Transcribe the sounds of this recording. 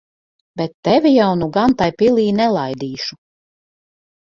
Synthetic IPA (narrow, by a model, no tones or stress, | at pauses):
bɛt̪ːɛvʲijawnuɡant̪ajpilˠiːnɛlˠajd̪iːʃu